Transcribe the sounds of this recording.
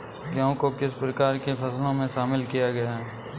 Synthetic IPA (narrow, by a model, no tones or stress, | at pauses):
jɐõkokɪspɾɐkaːɾkefɐslõmẽʃaːmɪlkijaɡɐjaɦɛː